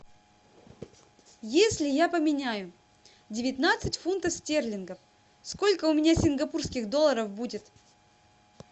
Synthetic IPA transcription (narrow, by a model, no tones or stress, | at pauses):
jesʲlʲɪjapəmʲɪnʲæjʊ | dʲɪvʲɪt̪nat̪sɨtʲfunt̪əfsʲtʲerlʲɪnɡə | sko̞lʲkəʊmʲɪnʲasʲɪnɡɐpurskʲɪɣd̪olˠːəɾəfbudʲɪt̪